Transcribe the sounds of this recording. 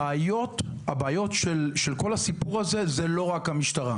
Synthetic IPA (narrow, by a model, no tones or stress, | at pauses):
jo̞tabaːjo̞tʃelʃelko̞lasipuʁaze̞ze̞lo̞ʁakhamiʃtaʁa